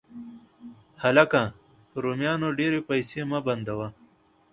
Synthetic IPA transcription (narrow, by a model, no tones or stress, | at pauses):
hɐlɐkãː | ɾumjaːnoɖeːɾepɐjseːmɐbɐnd̪ɐwa